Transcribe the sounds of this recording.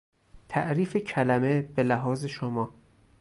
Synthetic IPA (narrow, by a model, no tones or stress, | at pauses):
t̪ʰæʔɾiːfecʰælæme̞b̥elæɦɒːze̞ʃomɒː